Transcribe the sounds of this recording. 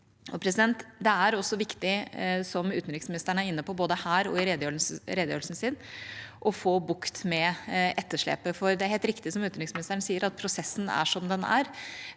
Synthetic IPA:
ɔpʰɾɛs̬ɪd̪ɛnt̪d̪ɛæɾɔsːɔʋɪkt̪ɪsɔmʉːt̪n̩ɾɪksmɪnɪst̪əəɳəæɾɪnːəpɔboːd̪əhæːɾɔ̰ɪɾed̪øɾeːd̪jø̰ːɾlsn̩sɪnːʔɔfoːbʊkt̪mɛɛt̪ːəʂɭḛːpəfɔɾd̪ɛæɾheːlt̪ɾɪkt̪ɪsɔmʉːt̪nɾɪksmɪnɪst̪əɳsiːəɾɑt̪̚pʰɾʊsɛsːn̩æ̰ʂɔmd̪ɛnæ̰ɾ

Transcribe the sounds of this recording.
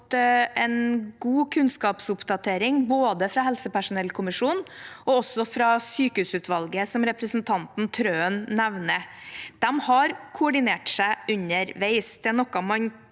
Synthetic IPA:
t̪ʔɛnɡuːkʰʉnskɑːpsʊpd̪ɑt̪ʰeːɾɪŋboːd̪əfɾɑhɛlsəpæʂʊnɛlːkʰʊmɪʂuːnɔɔsːɔfɾɑsyːkəhʉːsʉːt̪ʰʋɑlɡəsɔmɾɛpɾəsnt̪ʰɑnt̪n̩t̪ʰɾøːənnɛʋnəd̪̥ɛmhɑɾkʰʊɔɖɪneːʈsæɪʔʉɲəɾʋeɪsd̪̥ɛnɔkːɑmɑɲ

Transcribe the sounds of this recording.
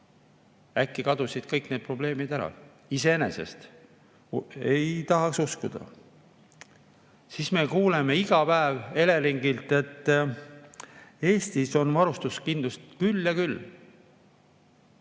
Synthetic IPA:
ækːikɑd̪usid̪̥̚kɤjkne̞ːd̪̚pro̞ble̞ːmid̪æɾɑ̰ | ise̞ene̞̰se̞̰st̪ | e̞jt̪ɑɦɑksuskud̪̥ɑ̰ | sisme̞kuːleme̞iɡ̥ɑpæeve̞le̞liŋɡ̥ilt̪ːe̞t̪ː | e̞ːst̪iso̞nvɑɾust̪uskind̪lust̪kyljɑkylː

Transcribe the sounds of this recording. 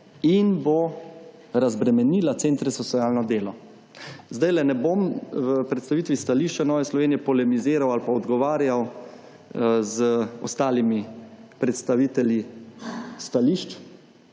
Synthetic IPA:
inbo | ɾazbɾɛmɛniːlat̪sent̪ɾɛsɔsʲijaːlnɔd̪eːlɔ | zd̪ajlɛnɛbomvəpɾɛt̪st̪aʋiːt̪ʋist̪aliʃt͡ʃanɔːʋɛslɔʋeːnijɛpɔlɛmizeːɾawalpaɔd̪ɡɔʋaːɾjaw | zəɔ̰st̪aːlimipɾɛt̪st̪aʋiːt̪ɛlji | st̪aliʃt͡ʃ

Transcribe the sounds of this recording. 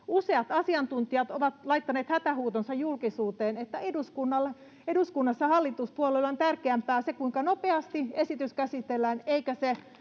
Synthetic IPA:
use̞ɑt̪ɑsiɑnt̪unt̪iɑt̪oʋɑt̪lɑit̪ːɑneːt̪hæt̪æhuːt̪onsɑjjulkisuːt̪eːnet̪ːæeduskunːɑl | eduskunːɑsːɑhɑlːit̪uspuolelːont̪ærkeæmpæːsekuiŋkɑnopeɑst̪iesit̪yskæsit̪elːæːneikæse

